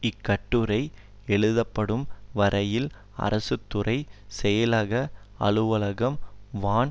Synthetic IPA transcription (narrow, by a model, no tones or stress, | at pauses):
ɪkːɐʈːɯɾɐɪ | ɛɭɯðɐpːɐɽɯmʋɐɾʔɐjɪl | ɐ̰ɾɐsɯt̪ːɯrɐɪsɛjɐlɐɣɐ | ɐɭɯʋɐɭɐɣɐmʋaːn